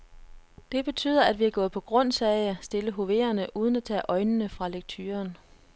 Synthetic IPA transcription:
d̥e̝b̥e̝t͡sʰy̰ːðˠɐæd̥ʋiæɡ̥ɔ̽ːð̩ˠpʰɒ̽ɡ̥ʁɔ̽n̰sɛɪæsd̥e̝ləɦo̝ʋe̝̰ːɐnəʔuːð̞ˠən̩æt͡sʰɛ̰ːʔɒ̽ɪnənəfʁɑ̈leɡ̥̚t͡sʰyːɐn

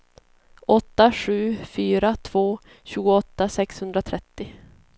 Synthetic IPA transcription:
ʔɔt̪ːaɧʉ̟ːfyːɾat̪ʰv̥oː | ɕʉ̟ːɡʊɔt̪ːasɛkshɵnd̪ɾat̪ʰɾɛt̪ːɪ

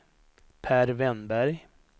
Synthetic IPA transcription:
pʰæːɾvɛnbæɾj

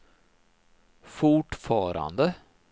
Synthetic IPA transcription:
fʊʈfɑːɾa̰nd̪ə

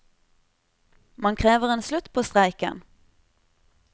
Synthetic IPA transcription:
mɑŋkʰʁeːʋəʁeːnslʉt̪pʰoːst̪ʁæɪkə̰n

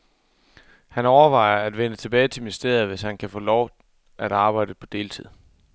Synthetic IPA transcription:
hænɒʊɐʋɑ̈ɪ̰ɐæd̥ʋenət͡sʰe̝b̥ɛːɪt͡sʰe̝misd̥e̝ɐ̰ð̩ˠʋe̝shænkʰæfɔ̰ːlɒʊ | ʔæɾ̥ɑ̈ːb̥ɑ̈ɪ̰d̥əpʰɒ̽d̥e̝ːlt͡sʰið̰ˠ

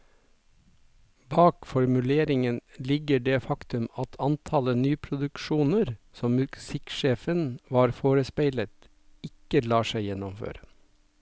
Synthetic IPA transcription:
bɑːkfɔɾmʉleːɾɪŋənlɪɡəɖeːfɑkt̪ʉmɑt̪ʰɑnt̪ʰɑlənyːpʰɾʊd̪ʉkʃuːnəɾsɔmmʉksɪkʃeːfənʋɑːɾfoːɾəspæɪlət̪ | ɪkəlɑːʃæɪjɛnɔmfø̰ːɾə

